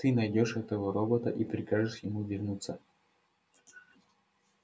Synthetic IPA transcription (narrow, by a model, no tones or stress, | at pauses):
t̪ɨnɐjdʲo̞ʂɛt̪əvəɾobət̪əʔipɾʲɪkaʐɨʂjɪmuvʲɪrnut̪sə